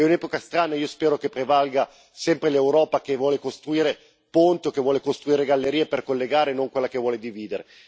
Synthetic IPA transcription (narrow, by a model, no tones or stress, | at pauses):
ɛunɛːpokast̪ɾaːnaiːospɛːɾokepːɾevalɡa | sɛmpɾelewɾɔːpakevwɔːlekost̪ɾuiːɾe | pont̪iokːevwɔːlekost̪ɾuiːɾeɡalːeɾiːeperkolːeɡaːɾenoŋkwelːakevwɔːled̪iviːd̪eɾe